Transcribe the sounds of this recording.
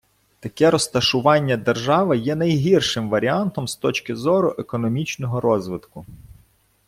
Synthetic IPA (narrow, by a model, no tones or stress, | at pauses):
t̪ɐkɛɾɔst̪ɐʃʊʋɑnʲːɐd̪erʒɑʋɪjɛnɐjɦirʃɪmʋɐɾʲiɑnt̪ɔmst̪ɔt͡ʃkʲɪzɔɾʊʔekɔnɔmʲit͡ʃnɔɦɔɾɔzʋɪd̪kʊ